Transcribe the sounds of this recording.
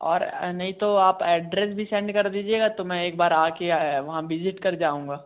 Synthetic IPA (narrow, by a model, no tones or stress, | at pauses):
ɔ̰ːɾnɐɦĩt̪oaːpɛːɖɾɛs̬bʱisɛ̃ːɳɖkɐɾd̪iːd͡ʒieːɡat̪omɛ̃eːk̚baːɾaːkeʋɐɦãʋɪd͡ʒɪʈkɐɾd͡ʒaːũːŋɡaː